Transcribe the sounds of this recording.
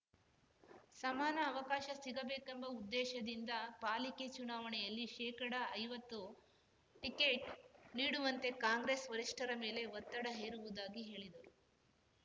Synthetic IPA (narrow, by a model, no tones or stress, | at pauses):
sɐmaːnɐːʋɐkaːʃɐsiɡɐbeːkembɐud̪ːɛːʃɐd̪ind̪ɐpaːliket͡ʃunaːʋɐɳɛjɐlːiʃɛːkɐɽɐːjʋɐt̪ːu | ʈikeːʈ̚niːɽuʋɐnt̪e̞kaːŋɡɾesʋɐɾiʂʈʰɐɾɐme̞ːle̞ʋɐt̪ːɐɽɐɦeːɾuʋud̪aːɡiɦe̞ːɭid̪ɐɾu